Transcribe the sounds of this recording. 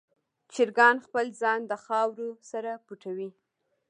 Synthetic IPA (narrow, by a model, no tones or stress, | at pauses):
t͡ʃɪɾɡɑnxpəlzɑnd̪əxɑwɾosaɾapuʈʰawi